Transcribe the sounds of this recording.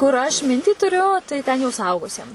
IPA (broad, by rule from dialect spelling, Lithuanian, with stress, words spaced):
kʊr ɐʃ ˈmʲɪnʲtʲiː tʊˈrʲʊ tɐɪ tʲɛn jɛʊ sʊˈɐʊɡʊsʲiɛm